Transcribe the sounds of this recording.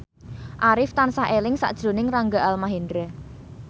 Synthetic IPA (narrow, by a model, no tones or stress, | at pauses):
ʔaɾɪft̪ansaɦʔelɪŋsa̰ʔd̥ʒ̥ɾo̤nɪŋraŋɡaʔalmaɦendɾɛ